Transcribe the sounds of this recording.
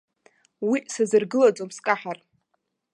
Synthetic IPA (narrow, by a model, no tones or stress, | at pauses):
wisazɨrɡɨlad͡zʼomskʼaħar